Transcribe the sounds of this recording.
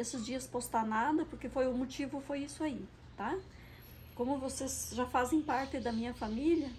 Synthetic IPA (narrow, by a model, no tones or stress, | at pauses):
esɪzd͡ʒiɐspost̪anad̪ɐpoɾkefojʊmot͡ʃivʊfojisʊai | t̪a | kõmʊvosezʒafazẽj̃paɾt̪ɪd̪ɐmĩɲɐfamilɐ